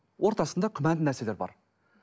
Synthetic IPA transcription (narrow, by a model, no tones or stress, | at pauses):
wʔo̞ɾt̪ɑsənd̪ɑkʲʰʏmænd̪ɪnæɾse̞le̞ɾbɑ̰ɾ